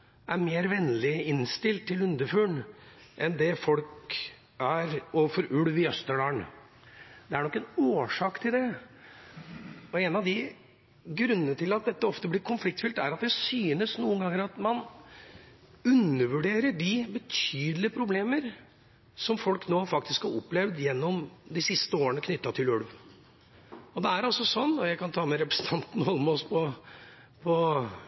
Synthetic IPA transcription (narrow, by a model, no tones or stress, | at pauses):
ʔæɾmeːɾʋɛnːlɪɪnst̪ɪlt̪ʰːɪlʉnd̪əfʉːɳʔɛnd̪ɛfɔlk | æɾɔfɔɾʔʉɽʋɪœst̪əɖɑːɳ | d̪̥ɛæɾɳɔkːɛnoːʂɑːkt̪ʰɪld̪ɛ | ɔeːnɑʋd̪ɪ | ɡɾʉnːənət̪ʰɪlɑt̪̚d̪ɛt̪ːəɔft̪əblɪɾkʰʊnflɪkt̪fʏlt̪æɾɑt̪̚d̪ɛsyːnəsnuːənɡɑŋːəɾɑt̪mɑn | ʉnːəʋʉɖeːɾəɖɪbət̪ʰyːd̪lɪəpʰɾʊbleːməɾ | sɔmfɔlknoːfɑk̚t̪ɪskhɑɾɔpːlɛʋd̪jɛnːɔmd̪ɪsɪst̪əoːɾənəkʰnʏt̪ːɑt̪ʰɪlʉɽʋ | ɔd̪ɛæɾɔsːɔsɔnːɔjæɪkɑnt̪ʰɑːmɛɾɛpɾəsn̩t̪ʰɑnt̪n̩hɔlːmɔspʰɔ | pʰɔ